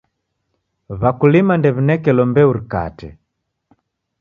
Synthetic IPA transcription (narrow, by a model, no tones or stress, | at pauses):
βakulimandɛβinɛkɛlɔmbɛuɾika̰tɛ̰